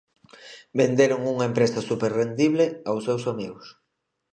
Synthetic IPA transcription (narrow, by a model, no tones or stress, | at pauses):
bend̪eɾoŋuŋɐempɾesasupeɾrend̪iβleawsewsamiɣʊs